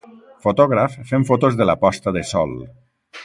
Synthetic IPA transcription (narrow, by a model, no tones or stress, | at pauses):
fot̪ɔɣɾafːeɱfot̪ozðəlapɔst̪əðəsɔ̰lˠ